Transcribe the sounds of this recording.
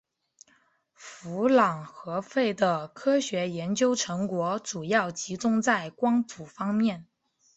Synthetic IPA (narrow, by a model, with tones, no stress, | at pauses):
fu˧˥lɑ˨˩ŋxɤ˧˥fe˥˩ɪd̪ə˩kʰɤ˥ɕɥɛ˧˥jɛ˧˥nt͡ɕjo˥ʊʈ͡ʂʰɤ˧˥ŋkwɔ˧˥ʈ͡ʂu˨˩jɑ˥˩ʊt͡ɕi˧˥t͡sʊ˥ŋt͡sa˥˩ɪkwɑ˥ŋp̪ʰu˨˩fɑ˥ŋmjɛ˥˩n